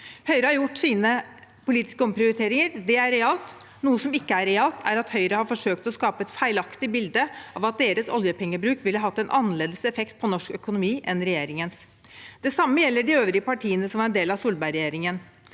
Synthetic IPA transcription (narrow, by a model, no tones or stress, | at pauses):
hœʏɾəhɑɾjʊʈːsiːnəpʊliːt̪ɪ̥skəɔmpʰɾɪʊɾɪt̪ʰeːɾɪŋəɾd̪ɛæɾɛɑlt̪ | nuːəsɔmɪkːəæɾɛɑːlt̪æ̰ɾɑt̪hœʏɾəhɑɾfɔʂøːkt̪ɔskɑːpəɛt̪fæɪlɑkt̪ɪbɪld̪əʔɑʋɑt̪̚d̪eːɾəsɔ̰ljəpʰɛŋːəbɾʉːkʋɪlːəɦɑt̪ːɛnʔɑnːəleːd̪əsɛfɛkt̪̚pʰɔnɔʂkœkʊnʊmiːʔɛnɾɛjeːɾɪŋəns | d̪ɛsɑmːəjɛlːəɖɪøːʋɾɪəpɑʈʰiːənəsɔmæɾɛnd̪eːlɑʋsuːlbæɪɾɛjeːɾɪŋən